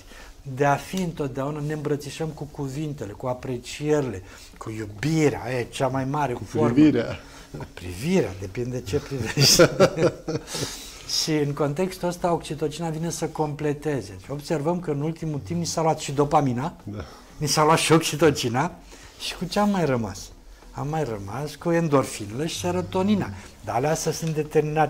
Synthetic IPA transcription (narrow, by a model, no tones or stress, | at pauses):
d̪e̞afiɨnt̪o̞t̪̚d̪eaunaneɨmbɾət̪siʃəmkukuvint̪e̞le̞kuapɾe̞t͡ʃie̞ɾile̞ | kʰujubiɾea̰jet͡ʃamajmaɾe̞ku̥formvɾa | ku̥pɾḭviɾea̰d̪e̞pind̪d̪e̞t͡ʃe̞pɾiveʃt̪ | ʃiɨŋko̞nt̪e̞kst̪uəst̪aokt͡ʃit̪o̞t͡ʃinavine̞səko̞mple̞t̪e̞ze̞o̞bse̞rvəmkəɨnult̪imut̪impnisaluat̪ʃid̪o̞pamina | nisaluat̪ʃio̞kt͡ʃit̪o̞t͡ʃina | ʃi̥kut͡ʃeamːajrəma̰s | a̰mːajrəma̰skue̞nd̪o̞rfinleʃi̥seɾət̪o̞ninad̪aaleast̪asɨnt̪d̪et̪e̞rminat̪